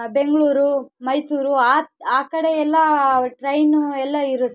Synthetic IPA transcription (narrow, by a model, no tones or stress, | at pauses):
be̞ŋɡɭuːɾumɐjsuːɾuaːaːkɐɽeɛlːɐʈɾɐjnɛlːɐiɾut̪ː